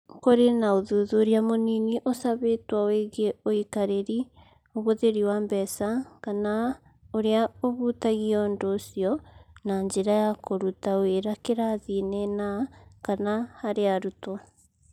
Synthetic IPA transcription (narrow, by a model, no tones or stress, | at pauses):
koɾenaoðoðoːɾiamoniniʔosaβetwaweɣeoikaɾeɾi | oβoðeɾiwambɛsakana | oɾeaoβuːtaɣiɔndosijɔnaɲd͡ʒeɾajakoɾutaoeɾakeɾaðinenakanahaɾeaɾuta